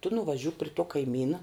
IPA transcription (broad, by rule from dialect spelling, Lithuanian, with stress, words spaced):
tʊ nʊʋɐˈʒʲʊk pʲrʲɪ tuɔ kɐɪˈmʲiːnɐ